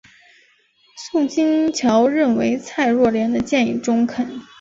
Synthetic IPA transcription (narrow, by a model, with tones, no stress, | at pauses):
sʊ˥˩ŋt͡ɕi˥ŋt͡ɕʰjɑ˧˥ʊɻə˥˩nwe˧˥ɪt͡sʰa˥˧ɪɻwɔ˥˩ljɛ˧˥nd̪ə˧t͡ɕjɛ˥˧nḭ˨˩ʈ͡ʂʊ˥ŋkʰə˨˩˦n